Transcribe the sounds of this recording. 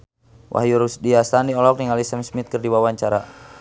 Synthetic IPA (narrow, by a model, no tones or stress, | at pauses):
wʔa̰hjuɾusdiast̪andiɔlɔk̚niŋalisɛmsmit̪̚kɨrdiwawaɲt͡ʃaɾa